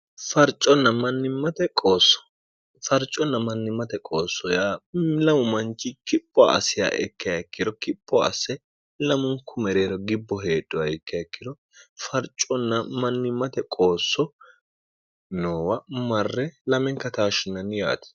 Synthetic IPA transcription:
fɐɾt͡ʃʼːɔnːɐmɐnːɪmːɐt̪ɛkʼoːsːɔ̥ | fɐɾt͡ʃʼːɔnːɐmɐnːɪmːɐt̪ɛkʼo̞ːsːɔjaːlɐmʊmɐnt͡ʃːɪkɪpʼːɔ̰ːsɪja̰ːʔɛ̰kːɪjɐkːɪd̪ɔkɪpʼːɔ̰ːsɛ | lɐmʊŋkːʊmɛɾeːɾɔɡɪbːɔɦe̞ːdːɔɐɛkːɪjɐɛkːɪd̪ɔ | fɐɾt͡ʃʼːɔnːɐmɐnːɪmːɐt̪ɛkʼo̞ːsːɔ | noːwɐmɐrːɛlɐmɛŋkːɐt̪aːʃɪnːɐnɪja̰ːt̪ɪ̥

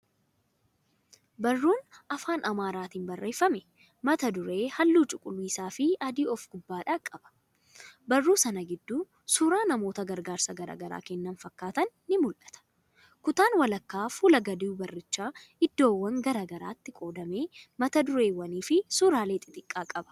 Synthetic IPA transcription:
bɐrːuːnʔɐfaːnʔɐmaːɾaːt̪iːnbɐrːeːfːɐmɛ | mɐt̪ɐd̪ʊɾe̞ːhɐlːuːt͡ʃʼʊkʼʊlwiːsaːfɪʔɐd̪iːɔfɡ̥ʊbːaːᶑaːkʼːɐb̥ɐ̥ | bɐrːuːsɐnɐɡɪd̪ːuː | suːɾaːnɐmo̞ːt̪ɐɡɐɾɡaːɾsɐɡɐɾa̰ːɡɐɾa̰ːkɛnːɐnfɐkːaːt̪ɐnːɪmʊlʔɐ̥t̪ɐ̥ | kʊt̪aːnwɐlɐkːaːfuːlɐɡɐd̪ɪbɐrːɪt͡ʃːaːɪd̪ːo̞ːwːɐŋɡɐɾaːɡɐɾa̰ːt̪ːɪkʼo̞ːd̪ɐme̞ːmɐt̪ɐd̪ʊɾe̞ːwɐniːfɪsuːɾaːleːt̪ʼɪt̪ʼɪkʼːaːkʼɐbɐ̥

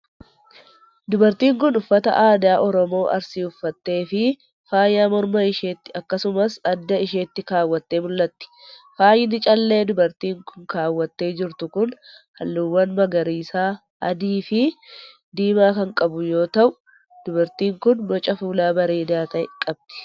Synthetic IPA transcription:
d̪ʊbɐɾt̪iːŋkʊnʊfːɐt̪ɐ̰ʔaːd̪aːʔɔɾɔmo̞ːʔɐ̰ɾsiʊfːɐt̪ːe̞ːfɪ | faːjːaːmɔɾmɐɪʃeːt̪ːɪɐkːɐsʊmɐsɐd̪ːɐɪʃe̞ːt̪ːɪkaːwːɐt̪ːe̞ːmʊlːɐt̪ːɪ̥ | faːjɪnɪt͡ʃʼɐlːe̞ːd̪ʊbɐɾt̪iːŋkʊŋkaːwːɐt̪ːe̞ːd͡ʒɪɾt̪ʊkʊn | hɐlːʊwːɐnmɐɡɐɾiːsaː | ɐd̪iːfɪ | d̪iːmaːkɐŋkʼɐbʊjo̞ːt̪ɐʔʊ | d̪̥ʊbɐɾt̪iːŋkʊnbɔt͡ʃʼɐfuːlaːbɐɾeːd̪aːt̪ɐʔɛ̰kʼɐb̚d̪ɪ̥

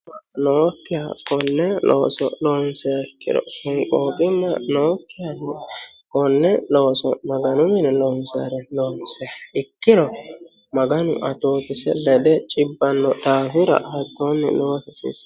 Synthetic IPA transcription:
ɐnoːkːɪjakɔnːɛlo̰ːsɔ̰loːnsɛɪkːɪ̰d̪ɔ̰hʊŋkʼoːkʼɪnːɐnoːkːɪjankʼɔnːɛloːsɔmɐɡɐnʊmɪnɛloːnsa̰ɾɛloːnsɛɐɪkːɪd̪ɔ | mɐɡɐnʊ̰ʔɐt̪oːt̪ɪsɛ̰lɛd̪ɛt͡ʃʼɪbːɐnːɔt̪aːfɪɾɐ̰hɐt̪ːoːnːɛ̰loːsɐsɪ̰s

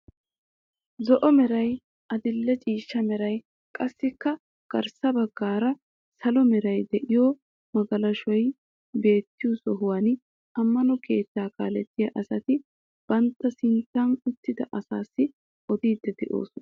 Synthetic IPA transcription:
zɔʔɔmɛɾɐj | ɐd̪ɪlːɛt͡ʃʼiːʃːɐmɛɾɐj | kʼɐsːɪkːɐ | ɡ̥ɐɾsɐbɐɡːaːɾɐ | sɐlɔmɛɾɐjd̪ɛʔɪjɔː | mɐɡɐlɐʃɔj | be̞ːt̪ːɪjusɔɦʊwan | ɐmːɐnɔke̞ːt̪ːaːka̰ːlɛt̪ːɪjɐʔɐsɐt̪ɪ | b̥ɐnt̪ːɐsɪnt̪ːanʊt̪ːɪd̪ɐʔɐsaːsːɪ | ʔɔd̪iːd̪ːɛd̪ɛʔo̰ːsɔn

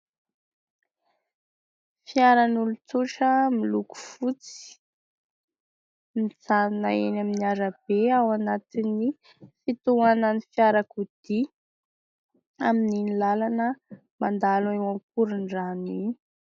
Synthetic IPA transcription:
fiaɾənulut͡suʈ͡ʂəmiluku̥fut͡si̥ | mid͡zanna̰enaminiaɾəb̥eawanat̪ini | fit̪uanənifjaɾakud̪̥i | amininilalanə | mand̪alewamkuɾiɳɖ͡ʐani

